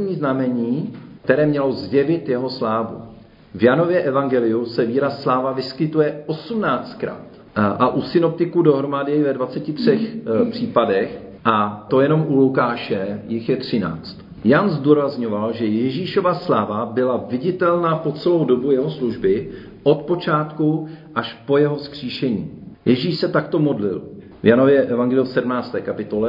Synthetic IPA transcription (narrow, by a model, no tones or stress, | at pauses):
ɲiːznamɛɲiːkt̪ɛɾɛːmɲɛlo̞zjɛvɪt̪jɛɦo̞slaːvṵ | vjano̞vjɛʔɛvaŋɡɛlɪusɛviːɾasːlaːvavɪskɪt̪ujɛʔo̞sumnaːt͡st̪̚kɾa̰ːt̪ | ʔaʔusɪno̞p̚t̪ɪkudo̞ɦɾo̞madɪɪvɛdvat͡sɛcɪt̪r̝̥ɛxpr̝̥iːpadɛx | ʔat̪o̞jɛno̞mʔulukaːʃɛjɪxjɛt̪r̝̥ɪna̰ːt͡st̪ | janzduːɾazɲo̞valʒɛjɛʒiːʃo̞vaslaːvabɪlavɪɟɪt̪ɛlnaːpo̞t͡sɛlo̞wdo̞bujɛɦo̞sluʒbɪ | ʔo̞t̪po̞t͡ʃaːt̪kuʔaʃpo̞jɛɦo̞skr̥iːʃɛɲḭːjʔɛʒiːʃsɛt̪akt̪o̞mo̞dlɪ̰l | vjano̞vjɛʔɛvaŋɡɛlɪjusɛdmnaːt͡st̪ɛːkapɪt̪o̞lɛ